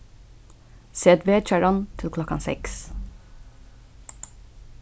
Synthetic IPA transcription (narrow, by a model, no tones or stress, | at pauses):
seːt̪ʋeːt͡ʃæɹɑnt̪ʰɪlkʰlɔkɑ̰nsɛ̰ks